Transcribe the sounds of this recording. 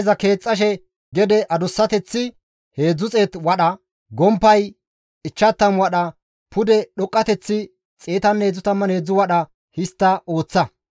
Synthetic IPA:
zɐke̞ːt͡sʼːɐʃ̬ɛ | ɡɛd̪ɛʔɐd̪ʊsːɐt̪ɛt͡sːɪ | he̞ːd͡zːʊt͡sʼeːt̪wɐɗɐ | ɡɔmpːɐj | ɪt͡ʃːɐt̪ːɐmwɐɗɐ | pʊd̪ɛɗɔkʼːɐt̪ɛt͡sːɪ | t͡sʼe̞ːt̪ɐnːe̞ːd͡zːʊt̪ɐmːɐnhe̞ːd͡zːʊwɐɗɐ | hɪst̪ːɐo̞ːt͡sːɐ

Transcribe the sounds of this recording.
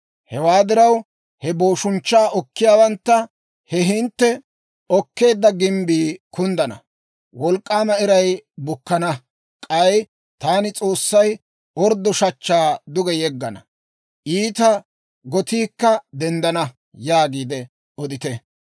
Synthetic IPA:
hɛwaːd̪ɪɾɐw | hɛbo̞ːʃʊnt͡ʃːaːʔɔkːɪjaːwɐnt̪ːɐ | hɛɦɪnt̪ːɛ | ɔkːe̞ːd̪ːɐɡɪmbiːkʊnd̪ɐnɐ̰ | wɔlkʼːaːmɐɪɾɐjbʊkːɐnɐ | kʼɐj | t̪aːnɪt͡sʼo̞ːsːɐj | ɔɾd̪ɔʃɐt͡ʃːaːd̪ʊɡɛjɛɡːɐnɐ̰ | ʔiːt̪ɐ | ɡɔt̪iːkːɐd̪ɛnd̪ɐnɐ | jaːɡiːd̪ɛ | ɔd̪ɪt̪ɛ

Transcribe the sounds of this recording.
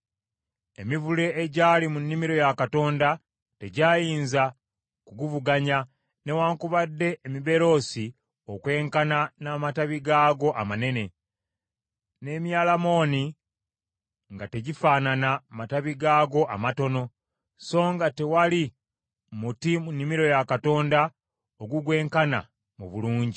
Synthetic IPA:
emivule̞eɟalimunːimiɾo̞jakato̞ːnda | te̞ɟaːjiːnza | kuɡuvuɡaɲa | ne̞waːŋkuβadːe̞ːmiβe̞ɾo̞ːsi | okwe̞ːŋkananamataβiɡaːɡo̞ʔamane̞ne̞ | ne̞ːmjaːlamo̞ːni | ŋɡate̞ɟifaːnanamataβiɡaːɡo̞ʔa̰mato̞no̞ | so̞ːŋɡate̞wali | mutimunːimiɾo̞jakato̞ːnda | oɡuɡwe̞ːŋkana̰ | muβuluːɲɟi

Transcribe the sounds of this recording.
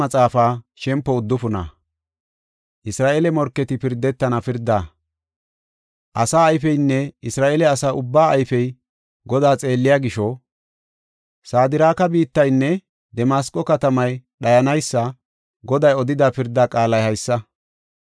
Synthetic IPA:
ɐt͡sʼaːfaːʃɛmpːɔʊd̪ːʊfʊnɐ̰ | ʔɪsɾaːʔelɛmɔɾkːɛt̪ɪpɪɾd̪ːɛt̪ːɐnɐpɪɾd̪ːaː | ʔɐsaːjfɛjnːɛɪsɾaːʔeːlɛɐsaːʔʊbːaːɐjfɛj | ɡɔd̪aːt͡sʼe̞ːlːɪjaːɡɪʃɔ | saːd̪ɪɾaːkɐbiːt̪ːɐjnːɛ | d̪ɛmaːskʼːɔkɐt̪ɐmɐjɗɐjɐnɐjsːɐ | ɡɔd̪ɐjɔd̪ɪd̪apɪɾd̪ːaːkʼaːlɐjhɐjsːɐ

